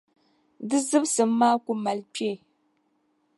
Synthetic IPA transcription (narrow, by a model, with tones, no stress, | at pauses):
dɨ˦zɨ˦bsɨ˨mː˦aː˦ku˨˦ma˨lpe˦˨